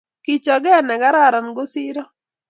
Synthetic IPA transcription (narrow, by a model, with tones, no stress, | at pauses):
ki˨t͡ʃɔ˨ɡɛ˦˨nɛ˨ɡa˦ɾa˦˨ɾa˨nɡo˦si˦ɾɔ˦